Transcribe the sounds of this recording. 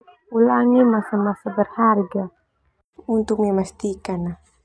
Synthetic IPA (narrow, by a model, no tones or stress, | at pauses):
ulaŋimasamasabərharɡa | unt̪ʊk̚mamast̪ikanah